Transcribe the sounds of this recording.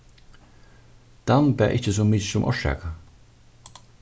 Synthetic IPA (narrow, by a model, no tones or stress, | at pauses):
d̪̥anbæːʔɪcəs̬ʊmɪsʊmʔɔ̰ʃɛ̰ːka